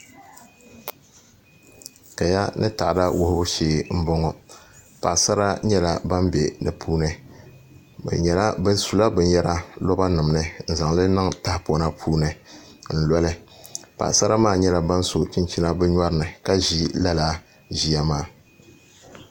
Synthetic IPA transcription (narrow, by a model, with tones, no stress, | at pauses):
ka˨ja˦nʔɨ̰˦ta˨ʔda˦wʊ˦hʊ˦bʊ˦ʃeː˦m̩˦bɔ˦ŋɔ˦ | pa˨ʔsa˦ɾa˦ɲɛ˦la˦ba˦mbɛ˨nɨ˨pʰuː˦nɨ˨ | bɛ̰˨ɲɛ˨la˦bɨ˦n˦su˨la˦bɛ˨ɲ˦ɛ˦ɾa˦lɔ˦ba˦nʊ˨mnɨ˦n̩˦˨za˨ŋlɨ˦nɨ˦ŋta˦pɔ˨˦na˦pʰuː˦nɨ˨ | n̩˨lɔ˦lɨ˦pa̰˨ʔsa˦ɾa˦maː˦˨ɲɛ˦la˨ba˦nso˨t͡ʃɪ˦nt͡ʃi˦na˦bɛ˦ɲɔ˦ɾɨ˨nɨ˨ka˦ʒi˦la˦laː˨˦ | ʒi˨a˦maː˦˨